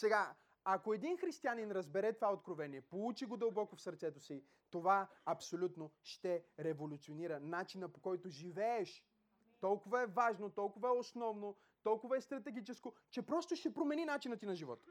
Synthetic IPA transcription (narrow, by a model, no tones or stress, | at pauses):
sɛɡa | ɐkoɛd̪inxɾist̪ianinɾɐzbɛɾɛt̪ovaot̪̚kɾovɛniɛpout͡ʃiɡod̪ɐlˠbɔkofsɐɾt̪sɛt̪osi | t̪ovaɐpsolʲut̪noʃt̪ɛɾɛvolʲut̪sioniɾənat͡ʃinəpokɔjt̪oʒivɛːʃ | t̪ɔlˠkʊvəɛvaʒnot̪ɔlˠkʊvəɛosnɔvno | t̪ɔlˠkʊvɐɛst̪ɾɐt̪ɛɡit͡ʃɛsko | t͡ʃɛpɾɔst̪oʃt̪ɛpɾomɛninat͡ʃinət̪inɐʒivɔt̪ə̥